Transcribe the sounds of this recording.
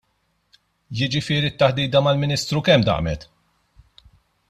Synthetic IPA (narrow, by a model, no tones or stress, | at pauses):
jɪd͡ʒɪfɪːɾit̪ːɐħd̪iːd̪ɐmɐlmɪniːst̪ɾukɛmd̪ɐ̰ʔmɛt̪